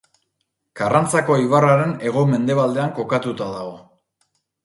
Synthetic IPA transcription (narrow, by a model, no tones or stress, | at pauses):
karant͡sako̞iβaraɾe̞ne̞ɣ̞o̞me̞nd̪e̞β̞ald̪e̞aŋko̞kat̪ut̪aðaɣ̞o̞